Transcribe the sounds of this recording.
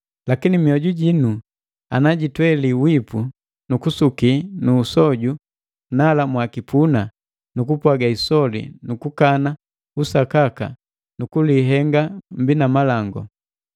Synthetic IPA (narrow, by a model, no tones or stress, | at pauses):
lakinimiɔɟuɟinu | a̰naɟitwɛliwipu | nukusukinuːsɔɟu | nalamwakipʰuna | nukupwaɡaisɔlḭnukukana | usakaka̰ | nukuliɦɛŋɡam̩binamalaŋɡɔ̰